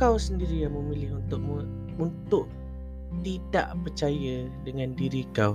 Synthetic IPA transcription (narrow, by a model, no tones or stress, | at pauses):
kawsəndiɾijaməmilɪɦunt̪ʊʔ̚m | unt̪ʊʔ | t̪ida̰ʔpərt͡ʃajə | dəŋãndiɾikaw